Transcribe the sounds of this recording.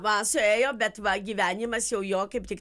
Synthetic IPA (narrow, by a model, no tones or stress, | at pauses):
mansʊɛjɔbʲɛt̪bɐɡʲiːʋʲænʲɪmɐsjɛʊjɔːkɐp̚t̪ʲɪk